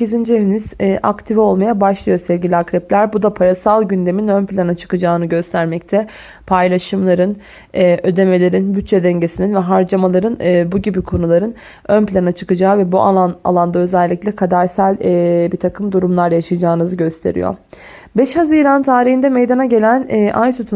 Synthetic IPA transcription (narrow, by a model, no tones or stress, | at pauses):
seizind͡ʒievinizːʔa̰kt̪ʰivio̞lˠmajabaʃlˠɯjo̞sɛvɟilʲiakɾɛplʲæɾbud̪apʰaɾasalˠɟynd̪e̞minønplʲanat͡ʃʰɯ̥kɯd͡ʒaːɯnɯɟø̞st̪ʰæɾmɛc̚t̪ʰɛ | pʰajlˠaʃɯmlˠaɾɯn | ɛːʔø̞d̪e̞me̞lʲe̞ɾinbyt͡ʃːed̪ɛɲɟe̞sininvɛɦaɾd͡ʒamalˠaɾɯnːbuɟibikʰo̞nulˠaɾɯn | ønplʲanat͡ʃʰɯkɯd͡ʒaːvɛbua̰ana̰lˠand̪aøzɛlʲːicʲlʲɛkʰad̪aɾsælʲːbit̪ʰakʰɯmd̪uɾumlˠaɾjaʃajad͡ʒaːnɯzɯɟø̞st̪ʰe̞̰ɾḭjo̰ɾ | bɛʃhaziːɾant̪ʰaːɾiɦind̪ɛmejd̪anaɟe̞lʲænːʔajt̪ʰut̪ʰu